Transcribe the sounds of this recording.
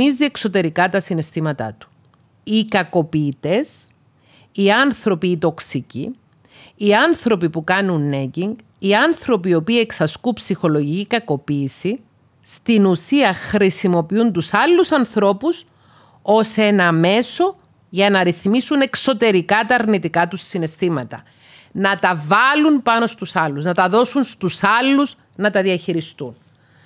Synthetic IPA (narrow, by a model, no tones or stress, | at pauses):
izie̞kso̞t̪e̞ɾikɐt̪ɐsinest̪imɐt̪ɐ̰t̪u̥ | ikɐko̞piːt̪e̞sː | ɐnθɾo̞piːt̪o̞ksicḭ | iɐnθɾo̞pipukɐnunːeɟiŋɡ | iɐnθɾo̞pio̞piːeksɐskupsixo̞loʝicikɐko̞piːsi | st̪inusiɐxɾisimo̞piunt̪usɐlːusɐnθɾo̞pus | o̞se̞nɐme̞so̞ | ʝɐnɐɾiθmisune̞kso̞t̪e̞ɾikɐt̪ɐːɾnit̪ikɐt̪usːine̞st̪imɐt̪ɐ̰ | nɐt̪ɐvɐlunpɐno̞st̪usɐlːuznɐt̪ɐðo̞sunst̪usɐlːuz | nɐt̪ɐðiɐçiɾist̪un